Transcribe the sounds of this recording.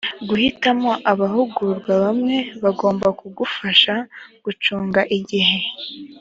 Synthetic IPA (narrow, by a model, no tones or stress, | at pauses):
ɡuhitamo̞ʔaβahuɡuɾɡwaβamŋe̞βaɡo̞ːmbakuɡufaʃaɡ̥ut͡ʃuːŋɡaʔiɟiɦe̞